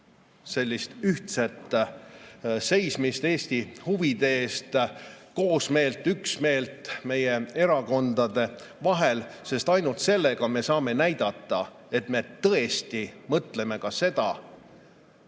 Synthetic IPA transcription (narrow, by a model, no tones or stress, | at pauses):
se̞lʲːist̪yht̪set̪ːˑ | se̞jsmist̪eːsʲt̪ihuvid̪eeːst̪ko̞ːsme̞ːlt̪ːˑyksme̞ːlt̪ˑme̞je̞e̞ɾɑko̞nd̪ɑd̪̥e̞vɑɦe̞lse̞st̪ɑjnult̪se̞lːe̞ɡ̥ɑme̞sɑːme̞næjd̪̥ɑt̪ːˑɑ | e̞t̪me̞t̪ɤ̞e̞st̪imɤt̪le̞me̞kɑse̞d̪̥ɑ